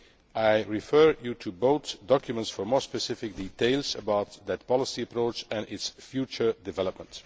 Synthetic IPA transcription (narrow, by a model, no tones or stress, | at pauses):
ʔaɪɹifɜːɹjutʰuboʊθdɑkjumə̃ntsfɔɹmɔɹspəsɪfɪk̚diteɪlˠzəbaʊt̪ðɨt̚pɑlˠəsiəpɹoʊt͡ʃɛ̃nɪtsfjut͡ʃə˞dɪvɛləp̚mə̃nt